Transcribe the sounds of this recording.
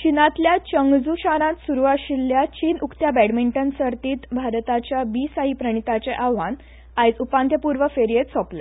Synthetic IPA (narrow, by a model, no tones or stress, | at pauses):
ɕinãt̪ljat͡ɕəŋɡd͡zuɕaɾãt̪suɾuʋaɕilːjat͡ɕiːnukt̪jabɛɽmiɳʈənsəɾt̪iːt̪bʱaɾt̪at͡ɕjabiːsaɦipɾəɳ̃it̪at͡ɕeʔaʋan | ajt͡supãnt̪jəpuɾʋəfeɾijet̪sɔple